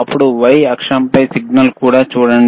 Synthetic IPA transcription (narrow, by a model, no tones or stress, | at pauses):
ɐpːuɽuʋɐjɐkʂɐmpɐjsiɡ̚nɐlkuːɽaːt͡ʃuːɽɐɳ